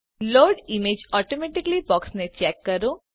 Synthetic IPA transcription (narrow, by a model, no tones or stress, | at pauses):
loːɾɖɪmeːd͡ʒɔːʈomɛʈɪklibɔːksnẽt͡ʃɛːkːɐɾo